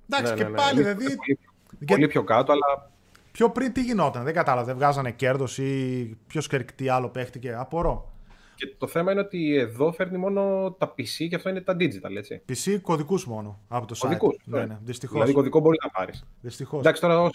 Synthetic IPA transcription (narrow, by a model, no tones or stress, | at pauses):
d̪ɐksienepɐliðilɐðioli | olipçokɐt̪oɐlɐ | pço̞pɾint̪iʝino̞t̪ɐnðeɡɐt̪ɐlɐvɐðevɣɐzɐnece̞ɾðo̞sipço̞skeɾkt̪iɐlo̞pe̞xt̪ice̞ɐpoɾo̞ | ce̞t̪oθe̞mɐineo̞t̪ieðo̞fe̞ɾnimo̞no̞t̪ɐpisiceɐft̪o̞inet̪ɐd̪id͡zit̪ɐle̞t͡sḭpisiko̞ðikuzmo̞no̞ɐpot̪osoðikusɐneneðist̪ixolɐðikoðikobo̞ɾiznɐpɐ̰ɾisðist̪ixosd̪ɐksi̥t̪oɾɐo